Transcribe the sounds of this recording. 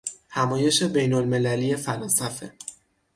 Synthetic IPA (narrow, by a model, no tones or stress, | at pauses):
hæmɒːje̞ʃe̞be̞jnolme̞lælije̞fælɒːnsæfe̞̰